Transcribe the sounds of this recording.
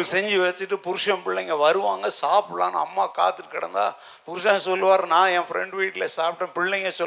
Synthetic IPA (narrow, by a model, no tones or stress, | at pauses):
sɛɲd͡ʒɯʋɛt͡ʃːɯʈːɯpʊɾʊʂɐ̃mpɪɭːɛŋɡɐʋɐɾɯʋaːŋɡɐsaːpʈla̰ːn̰ɐ̰mːaːka̰ːt̪ːɯʈːɯkɪɽɐ̰nd̪a̰ː | pʊɾɯʂɐ̃sɔlːɯʋaːɾɐnãːɛ̃ːfɪɾɛ̰ɳɖʋiːʈːɪlɐsaːpʈːɐ̃pɪɭːɛŋɡɐsɔ